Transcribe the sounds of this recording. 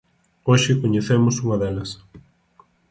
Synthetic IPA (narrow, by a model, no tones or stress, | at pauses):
oʃɪkoɲeθemʊsuŋɐðɛlɐs